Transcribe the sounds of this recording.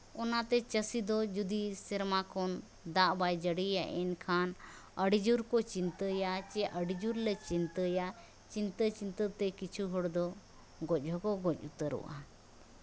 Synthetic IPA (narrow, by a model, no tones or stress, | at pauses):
ɔnat̪ɛt͡ʃəsid̪ɔd͡ʒud̪isɛɾmakɔn | d̪aʔbajd͡ʒəɽijaʔɛnkʰan | əɖid͡ʒuɾkɔt͡ʃint̪əjat͡ʃɛʔəɖid͡ʒuɾlɛt͡ʃint̪əja | t͡ʃint̪ət͡ʃint̪ət̪ɛkit͡ʃʰuɦɔɽd̪ɔ | ɡɔc̚ˀɦɔkɔɡɔc̚ˀut̪əɾṵʔa